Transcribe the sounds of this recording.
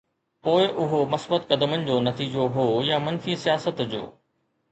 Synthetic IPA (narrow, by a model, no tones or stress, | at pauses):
poːɪʔʊɦomɐsbət̪kɐd̪mənɪ̆d͡ʑoːnɐt̪iːd͡ʑoɦoːjamɐnfisijaːsət̪d͡ʑo̰ː